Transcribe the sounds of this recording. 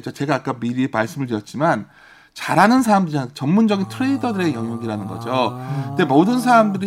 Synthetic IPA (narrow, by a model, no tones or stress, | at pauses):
d͡ʑot͡ɕe̞ɡaːk͈amiɾimaɭs͈ɯmɯɭtɯɾjʌt̚t͡ɕ͈iman | t͡ɕaɾɦanɯnsʰaamdɯɾiant͡ɕʌmːund͡ʑʌɡintʰɯɾe̞idʌdɯɾe̞jʌŋjoŋiɾanɯnɡʌ̰d͡ʑoknde̞modɯns̬ʰaamdɯɾi